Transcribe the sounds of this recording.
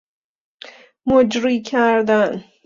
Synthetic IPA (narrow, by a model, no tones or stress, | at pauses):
mod͡ʒɾiːkʲʰæɾd̪an